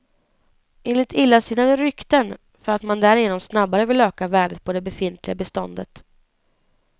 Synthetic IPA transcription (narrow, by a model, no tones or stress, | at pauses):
ʔeːnlɪt̪ʰɪlːasiːnad̪ɛɾʏkt̪ən | fœɾat̪mand̪æɾɪjeːnɔmsnabːaɾəvɪløːkavæːɖət̪̚pʰɔd̪ɛbɛfɪnt̪ʰlɪɡabɛst̪ɔnd̪ət̪